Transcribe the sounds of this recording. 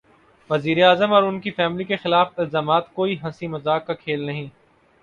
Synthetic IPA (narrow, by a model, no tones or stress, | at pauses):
ʋɐziːɾeaːzəmɔːɾʊnkifɛːmlikexɪlaːfɪlzaːmaːt̪koːiɦɐsimɐzaːkːakʰeːlnɐɦĩː